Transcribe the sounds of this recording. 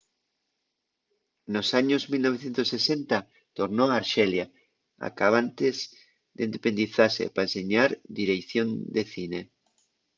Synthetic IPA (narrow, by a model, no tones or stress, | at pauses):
nosaɲozmilnoβ̞eθjent̪osːesent̪a | t̪oɾnoaːɾʃelja | a̰kaβ̞ant̪ez | ðend̪epend̪iθasḛpaeseɲaɾd̪iɾekθjond̪eθine